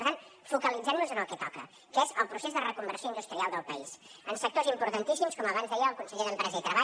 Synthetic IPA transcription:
ɾt̪anfukəlid͡zɛmnuzənəlˠkɛt̪ɔkə̰ | kɛzəlˠpɾusezðərəkumbəɾsioind̪ust̪ɾialˠd̪əlˠpəisənsək̚t̪ozimpuɾt̪ənt̪isimskɔməβ̞anzðɛjəːlˠkunsəʎeðəmpɾɛzəit̪ɾəβa

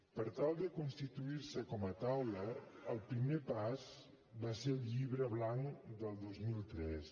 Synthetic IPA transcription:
pəɾt̪alˠd̪əkunst̪it̪uiɾsəkɔmət̪awlə | əlˠpɾimepaz | baseɾlʎiβɾəβlaŋd̪əlˠd̪ozmilˠt̪ɾɛs

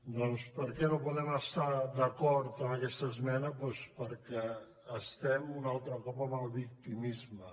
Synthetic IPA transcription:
d̪ɔnspəɾkɛnopuðɛməst̪ad̪əkɔɾt̪əməkɛst̪əzmɛnəpwɛspəɾkɛː | st̪ɛmunalˠt̪ɾəkɔpəməlˠβik̚t̪imizmə

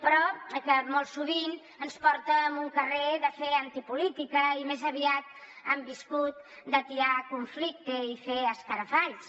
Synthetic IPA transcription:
pɾɔkəmolˠsuβ̞in | ənspɔɾt̪əːmuŋkəreðəfeənt̪ipulit̪ikəimezəβiat̪̚ | əmbiskut̪̚d̪ət̪iɾakuɱflik̚t̪əifeəskəɾəfaʎs

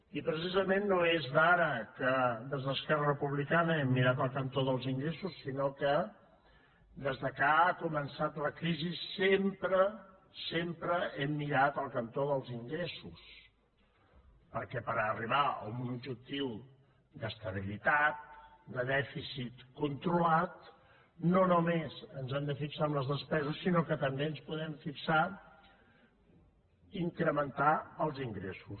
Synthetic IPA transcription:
ipɾəs̬izəmenːoezðaɾəkəd̪əzðəskɛrərəpuβlikanəɛmːiɾat̪̬əlˠkənt̪oðəlˠziŋɡɾesusːinokə | d̪əzðəkaːkumənsat̪ləkɾizisempɾə | sempɾəɛmːiɾat̪əlˠkənt̪oðəlˠziŋɡɾesus | pəɾkɛpəɾəriβ̞aə̰umund͡ʒut̪iw | d̪əst̪əβ̞ilit̪at̪̚d̪əðɛfisit̪kunt̪ɾulat̪ | nonumezənzɛmd̪əfiksaəmləzðəspɛzəsːinokət̪əmbeənspuðɛmfiksa | iŋkɾəmənt̪aəlˠziŋɡɾesus

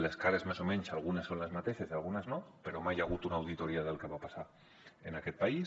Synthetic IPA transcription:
leskaɾezmasomensalˠɣ̞unesːonlezmat̪eθezialˠɣunaznopeɾomajaɣ̞ut̪unawð̞it̪oɾiað̞elkeβapasa | enaket̪̚pai

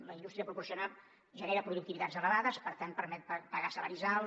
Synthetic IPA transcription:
ləind̪ust̪ɾiəpɾupuɾrsiuna | ʒəneɾəpɾuðuk̚t̪iβit̪ad͡zzələβaðəspəɾt̪anpəɾmɛt̪̚ppəɣasələɾizal

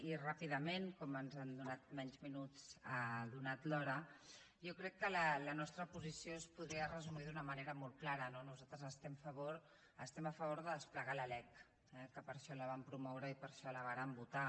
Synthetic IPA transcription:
irapiðəmenkɔmənzand̪unat̪̚mɛɲzminut͡səðunat̪lɔɾə | jɔkɾɛkːələlənɔst̪ɾəpuzisiospuðɾiərəzumiðunəməneɾəmɔlˠklaɾənonuzat̪ɾəzəst̪ɛmfəβoɾ | əst̪ɛməfəβ̞oɾðəðəspləɣaləlɛk | ɛkəpəɾʃɔləβ̞ampɾumɔwɾəipəɾʃɔləβaɾəmbut̪a

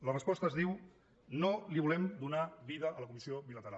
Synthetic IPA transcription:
lərəspɔst̪əzðiw | noliβulɛmd̪unaβiðəʔələkumisioβilət̪əɾa

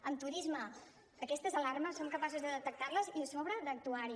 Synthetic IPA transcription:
ənt̪uɾizmə | əkɛst̪əzəlarməsːoŋkəpasuzðəðət̪ək̚t̪arləzisoβɾəðd̪ək̚t̪uaɾi

